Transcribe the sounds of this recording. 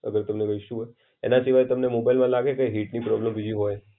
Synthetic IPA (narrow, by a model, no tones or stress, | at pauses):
əɡəɾt̪əmneɡəiʃũɦ | ḛnasiʋajt̪əmnemobajlmãlaɡekeɦiʈnipɾɔbləmbid͡ʒiɦoj